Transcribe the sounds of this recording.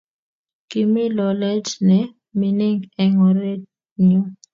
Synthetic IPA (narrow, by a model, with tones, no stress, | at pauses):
ki˨mi˦lɔ˨lɛ˦dnɛ˨ | mi˨ni˦ŋɡɛ˨ŋɔ˨ɾɛ˦d | ɲu˦